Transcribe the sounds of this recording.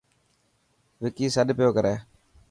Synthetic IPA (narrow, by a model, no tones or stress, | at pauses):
ʋɪkiːsəɗpjoːkəɾɛː